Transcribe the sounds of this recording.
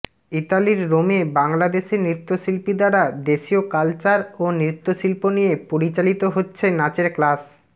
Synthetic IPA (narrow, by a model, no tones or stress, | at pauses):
iʈaliɾɾomebaŋlad̪eʃeɾnɾit̪ːoʃilpid̪aɽad̪eʃiokalt͡ɕaɾonɾit̪ːoʃilponijepoɾit͡ɕalit̪oɦotːɕʰenat͡ɕeɾklas